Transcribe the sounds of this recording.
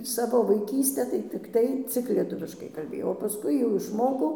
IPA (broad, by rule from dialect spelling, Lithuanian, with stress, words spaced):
ˈsɑːʋoː ʋɐɪˈkʲiːsʲtʲæː tɐɪ tʲɪkˈtɐɪ ˈt͡sʲɪk lʲiɛˈtʊʋʲɪʃkɐɪ kɐlʲˈbʲeːjɛʊ oː pɐˈskʊɪ jɛʊ ɪʃˈmoːkɐʊ